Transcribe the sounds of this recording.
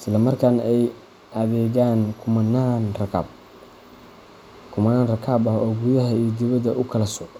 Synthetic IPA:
ɪslɐmɐrkʰaːnɛj | ʔɐðɛːɣaːnkʰʊmɐnaːnrɐkʰa̰ːb̚ | kʰʊmɐnaːnrɐkʰaːbɐhɔːɡʊjɐɦɐiɡɪβɐd̪ɐʔʊkʰɐlɐsʊʕ

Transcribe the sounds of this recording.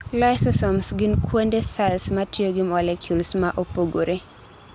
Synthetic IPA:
lajsɔsɔmsɡɪnkwondesalsmatjoɡɪmɔlekʰjulsmaʔopoɡoɾe

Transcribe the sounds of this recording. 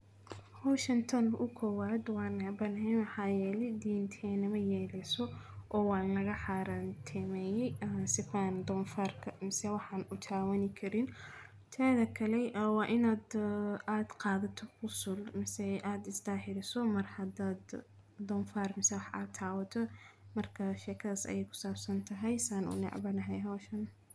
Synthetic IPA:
hɔwʃɐnt̪ʰɔnʊkʰɔwaːd̪wɑːnɐbɐnɦɛnwɑħɑːjɛːlɛjd̪iːnt̪ʰɛnɐmɐjɛːlɛsɔʔɔːwɑːnnɐɣɐħɑɾɐnt̪ʰɛmɛːjɛjsɪfaːnd̪ɔnfaːrkʰɐmɪsɛwɑħɑːnʊt̪ʰaːwɐnɪkʰɐɾɪn | t̪ʰɛːðɐkʰɐlɛwɑːʔɪnaːd̪aːd̪̥qɑːðɐt̪ʰɔfʊsʊlmɪsɛʔaːd̪ɪsd̪aːħɪɾɪsɔmɐrhɐd̪aːd̪ | d̪ɔːnfaːrmɪsɛwɑħa̰ːt̪ʰːaːwɐt̪ʰɔmɐrkʰɐʃɛːkʰɐðɐsɐ̰jɛjkʰʊ̥saːbsɐnt̪ʰɐɦɛjsaːnṵnɛ̰ʕbɐnɐɦɛjɦɔːʃɐn

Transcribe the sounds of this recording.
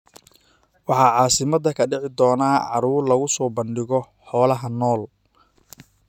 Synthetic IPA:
wɑħɑːʕɑːsɪmɐd̪ɐkʰɐɖɪʕɪd̪ɔːnaːʕɑɾuːrlɐɣʊsɔːbɐnɖɪɣɔ | ħɔːlɐɦɐnɔːl

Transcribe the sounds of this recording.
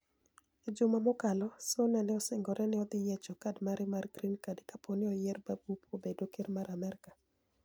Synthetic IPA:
ɪd͡ʒʊmamɔkalɔsonɛnɛɔsɪŋɡɔɾʔɛnɪɔd̪ɪjɛt͡ʃɔkadmaɾɪmarɡɾinkadekaponɪɔjɛrbabupobedokɪɾmaɾamɛɾɪkḁ

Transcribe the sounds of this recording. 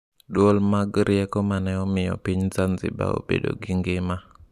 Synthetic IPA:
dwolmaɡɾɪɛkɔmanɛɔmɪjɔ̰piɲzanzɪ̰ba̰o̰bḛdo̰ɡɪŋɡɪma

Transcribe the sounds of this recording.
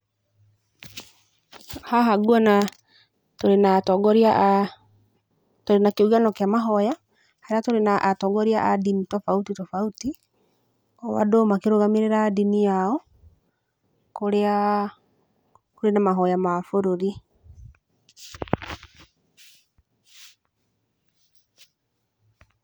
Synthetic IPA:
haɦaɡuɔna | toɾenatɔɡɔɾia | toɾenakeuɣanɔkeamaɦɔja | haɾeatoɾenaʔːtɔɡɔɾiaʔadinitɔfautitɔfauti | ɔwa̰domakeɾoɣameɾeɾaːdinijaɔ | koɾea | koɾenamaɦɔjamafoɾoɾi

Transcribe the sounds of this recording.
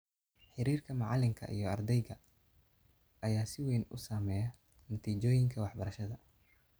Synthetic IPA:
ħɪɾiːrkʰɐmɑʕɑlɪŋkʰɐ̰ʔḭjɞɐrd̪ɛjɣɐ | ʔɐjaːsɪwɛjnʊ̰saːmɛːjɐ | nɐt̪ʰiːt͡ʃɔːjɪŋkʰɐwɑħbɐɾɐʃɐðɐ

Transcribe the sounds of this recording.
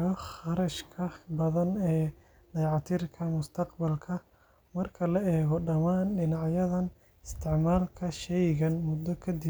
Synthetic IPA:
ɔχɑɾɐʃkʰɐbɐðɐnɛː | d̪ɑjʕɑt̪ʰɪrkʰɐmʊst̪ʰɐqbɐlkʰɐ | mɐrkʰɐlɐɛːɣɔɖɐmaːnɖɪnɑʕjɐðɐn | ɪst̪ʰɪʕmaːlkʰɐʃɛjɣɐnmʊd̪ːɔkʰɐd̪ɪ

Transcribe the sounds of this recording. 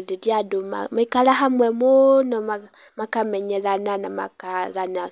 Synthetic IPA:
liɾjaduma̰maikalaɦamwemunoma | makameɲeɾananama̰kaɾana

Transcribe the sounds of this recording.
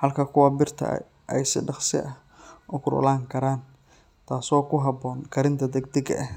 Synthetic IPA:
hɐlkʰɐkʰʊwɑbɪrt̪ʰɐ̰ | ʔɛ̰jsɪ̰ɖɑχsɪ̰ʔɐh | ʔʊkʰʊɾʊ̰laːŋkʰɐɾaːn | t̪ʰaːsɔːkʰʊɦɑbɔːŋkʰɐɾɪnt̪ʰɐd̪ɛɡ̚d̪ɛɡɐ̰ʔɛh

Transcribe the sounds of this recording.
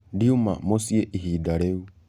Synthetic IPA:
diuma̰mosieʔiɦidaɾeu

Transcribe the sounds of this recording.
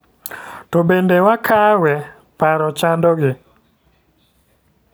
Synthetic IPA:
tobendewakʰawɛ | paɾɔt͡ʃandɔɡɪ

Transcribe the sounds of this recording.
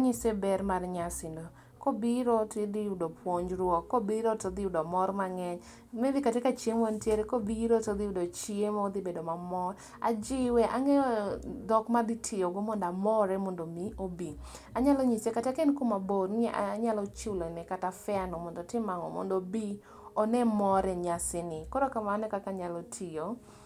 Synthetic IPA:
aɲisebɛɾmarɲasɪndo | kobiɾotɪd̪iudopwoɲd͡ʒɾwɔkːobiɾotod̪ɪudomɔɾmaŋɛɲ | mɛd̪ɪkatekat͡ʃiemontjeɾɛkobiɾotod̪ɪdot͡ʃiemod̪ibedomamɔɾ | a̰d͡ʒɪwɛʔaŋɛɔd̪ɔkmad̪ɪtʰɪjoɡɔmɔndamɔɾɛmɔndomiobi | aɲalɔɲisekatakenkumaboɾaɲalɔt͡ʃulɔnɛkatafɛanɔmɔndɔtɪmaŋɔ̰mɔ̰ndobi | ɔnɛmɔɾɛɲasɪnɪkɔɾɔkamanɛkakaɲalɔtʰɪjo

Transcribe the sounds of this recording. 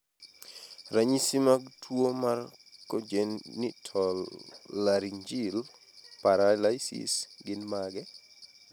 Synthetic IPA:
ɾaɲisimaɡ̚tʰwomar | kod͡ʒenːitʰɔlːaɾiɲd͡ʒil | paɾalajsḭsɡɪnmaɡɛ

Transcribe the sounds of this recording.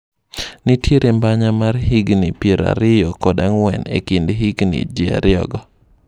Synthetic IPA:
nɪtjeɾʔembaɲamarɦiɡnipjeɾa̰ɾɪjɔkɔdaŋwɛnḛkindɦiɡnḭd͡ʒia̰ɾɪɔ̰ɡɔ

